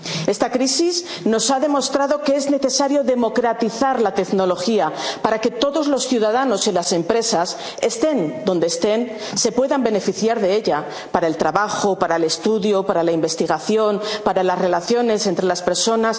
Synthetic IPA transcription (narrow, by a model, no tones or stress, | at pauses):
e̞st̪akɾisiz | no̞saðe̞mo̞st̪ɾaðo̞kee̞zne̞θe̞saɾjo̞ðe̞mo̞kɾat̪iθaɾlat̪e̞kno̞lo̞xiapaɾake̞t̪o̞ðo̞zlo̞sθjuðaðano̞silase̞mpɾe̞sas | e̞st̪e̞nd̪o̞nd̪eːst̪e̞n | se̞pwe̞ðambe̞ne̞fiθjaɾðe̞e̞ʎa | paɾaelt̪ɾaβaxo̞paɾaele̞st̪uðjopaɾalaimbe̞st̪iɣaθjo̞npaɾalasre̞laθjo̞ne̞se̞nt̪ɾe̞laspe̞ɾso̞nas